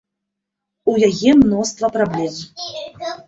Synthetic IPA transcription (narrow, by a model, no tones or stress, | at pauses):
ujaɣɛmnɔst̪vɐpɾablʲɛm